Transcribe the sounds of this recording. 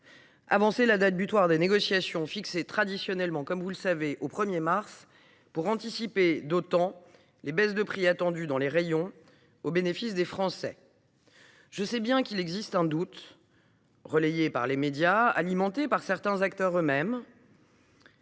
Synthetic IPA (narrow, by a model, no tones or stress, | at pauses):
a̰vɑ̃selad̪at̪̚byt̪waʁd̪eneɡɔsjasjɔ̃fikset̪χad̪isjɔnɛlmɑ̃kɔmvuləsaveʔopχəmjemaʁs | puʁɑ̃t̪isiped̪ot̪ɑ̃ | lebɛsd̪əpχiat̪ɑ̃d̪yd̪ɑ̃leʁejɔ̃ | obenefisd̪efχɑ̃sɛ̰ | ʒ̥əsɛbjɛ̃kilɛɡzist̪ɛ̃d̪ut̪ | ʁəlejepa̰ʁlemed̪jaa̰limɑ̃t̪epaʁsɛʁt̪ɛ̃zakt̪œʁømɛm